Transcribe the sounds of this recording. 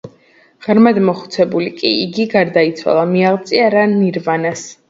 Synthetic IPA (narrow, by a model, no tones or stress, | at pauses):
ʁ̥ɾmad̪mɔχu̥t̪sʰɛbulikʼiiɡiɡaɾd̪ait̪sʰwa̰lˠamiaʁt̪sʼiaɾaniɾvanas